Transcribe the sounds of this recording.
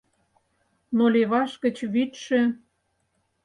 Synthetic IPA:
noleβɑʃkə̆t͡ɕβit̪ʃĕ

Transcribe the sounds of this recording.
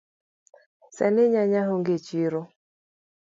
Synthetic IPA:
sɛ̰nɪɲaɲaɦoŋɡet͡ʃiɾo

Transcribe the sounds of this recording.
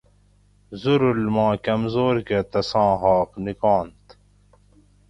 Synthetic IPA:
zuɾulmɑ̃ːkɐmzoːɾket̪ɐsɑ̃ːɦɑːqnikɑ̃ːnt̪

